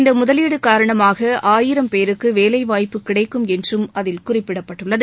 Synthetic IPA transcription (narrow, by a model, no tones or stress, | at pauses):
ɪnd̪ɐmʊðɐliːɽɯkaːɾɐɳɐmaːɣɐʔaːjɪɾɐmpeːɾɯkːɯʋeːlɐɪʋaːjpːɯkɪɽɐɪkːɯmɛndrɯmɐðɪlkʊrɪpːɪɽɐpːɐʈːɯɭːɐð